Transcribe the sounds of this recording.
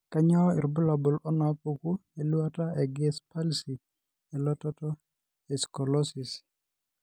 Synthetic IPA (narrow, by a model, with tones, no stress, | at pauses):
ka˦ɲɔ˦i˨ɾbu˦la˨bɔ˨lɔ˦na˨po˨ku˦e˨lu˦a˦ta˦e˨ɡɛ˦spa˦lsi˨ | e˨lɔ˦tɔ˦tɔ˦ | e˨skɔ˨lɔ˦si˨s